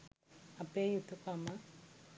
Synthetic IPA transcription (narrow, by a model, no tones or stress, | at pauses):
apejut̪ukama